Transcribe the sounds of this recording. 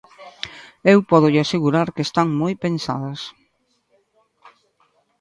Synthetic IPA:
ewpɔðʊʎɪaseɣuɾaɾkeːst̪aŋmojpensa̰ðɐs

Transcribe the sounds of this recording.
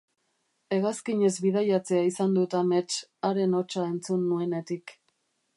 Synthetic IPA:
e̞ɣaskiɲe̞zβiðajat͡se̞aisand̪ut̪amet͡ʃaɾe̞no̞t͡ʃae̞nt͡sunːue̞ne̞t̪ik

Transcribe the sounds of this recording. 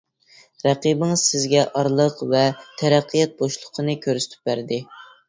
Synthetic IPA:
ɾæqibɪŋɨz̥sɪzɡʲɛʔɑɾlˠəqvɛt̪ʰæɾæqʰːijɑt̪̚boʃlˠʊqʰənɨkʲʰøɾsy̥t̪ʰy̥p̚bæɾd̪ɪ

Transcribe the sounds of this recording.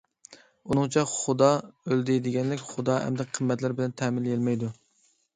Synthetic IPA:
unɨŋt͡ʃʰɛχud̪ɑøld̪ɪd̪ɪɡʲɛnlɪkʲχʊd̪ɑːɦɛ̰md̪ɛqʰəmːɛt̪lɪɾbɪlɛnt̪ʰɛmɪljelmɛjd̪u

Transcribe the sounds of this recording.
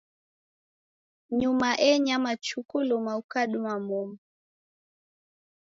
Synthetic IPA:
ɲumaʔɛɲamat͡ʃukulɔmaukaɗumamɔmu

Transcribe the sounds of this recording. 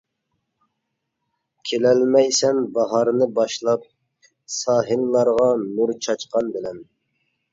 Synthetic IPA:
kʲʰelɛlmɛjsɛnbɑɦɑɾnɨbɑʃlˠɑp̚ | sɑːɦɨnlˠɑɾʁɑnuɾt͡ʃʰɑt͡ʃqɑnbɪlɛn

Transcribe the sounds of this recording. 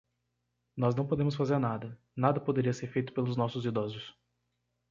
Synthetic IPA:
nɔznɐ̃w̃pod̪ẽmʊs̬fazeɾnad̪ɐ | nad̪ɐpod̪eɾiɐseɾfejt̪ʊ̥pelʊznɔsʊzid̪ɔzʊs

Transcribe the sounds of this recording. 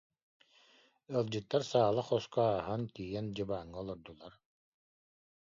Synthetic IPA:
ɯlˠd͡ʑɯt̪ːaɾsaːlˠaχɔskɔaːɦant̪ijɛnd͡ʑɯbaːŋːɯɔlˠɔɾd̪ulˠaɾ

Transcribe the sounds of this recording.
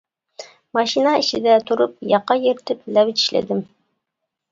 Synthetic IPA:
mɑʃinɑɪʃɪd̪æt̪ʰʊɾʊp̚jɑqːɑjeɾt̪ɪplæwɪt͡ʃ̪ɪ̥ʃlæ̰d̪ɪm

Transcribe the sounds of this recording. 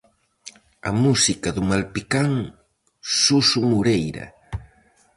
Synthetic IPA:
ɐ̰musikɐðumalpikaŋ | susumuɾejɾɐ̰

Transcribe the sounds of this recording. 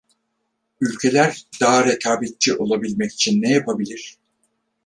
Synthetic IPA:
ylʲcʰe̞lʲæɾd̪̥aɦaɾekʰaːbet̪̚t͡ʃʰiʔo̞lˠabilʲmɛci̥t͡ʃʰinːɛjapʰabilʲiɾ̥

